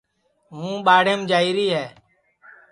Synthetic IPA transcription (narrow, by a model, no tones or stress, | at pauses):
ɦũːɓaːɽ̤eːmd͡ʒaːiːɾiːɦɛː